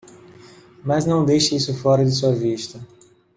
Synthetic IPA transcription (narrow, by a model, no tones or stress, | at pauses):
mɐznɐ̃w̃d̪ejʃɪisʊfɔɾɐd̪ɪsuɐviʃt̪ɐ